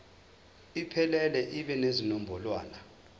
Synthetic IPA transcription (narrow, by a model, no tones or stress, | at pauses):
ipʰɛlɛlɛʔiɓɛnezinɔm̩bʱɔlwa̰ːna